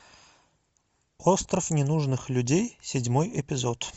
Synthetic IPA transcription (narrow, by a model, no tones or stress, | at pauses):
ost̪ɾəfnʲɪnuʐnɨxlʲʉdʲejsʲɪdʲmojɛpʲɪzo̞t̪